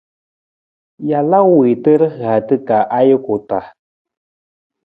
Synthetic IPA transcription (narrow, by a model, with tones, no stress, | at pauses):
ja˨la˦wi˨tə˦ɾə˦ɣa˨tɨ˦ka˨ʔa˦jə˦ko˨ta˨